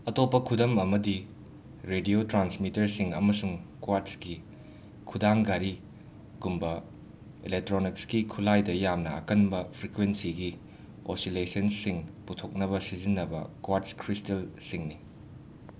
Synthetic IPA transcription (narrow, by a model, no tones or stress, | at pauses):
ɐtopːɐkʰudɐmɐmɐdi | ɾediotɾansmitɐɾsiŋɐ̰mɐsuŋkwatski | kʰudaŋɡaɾi | kumbɐ | ilek̚tɾonikskikʰulajdɐjamnɐ̰ɐ̰kɐnbɐpʰɾikwensiɡi | o̰silesɐnsiŋputʰok̚nɐbɐsizinːɐbɐ̰kwatskʰɾistɐlsiŋni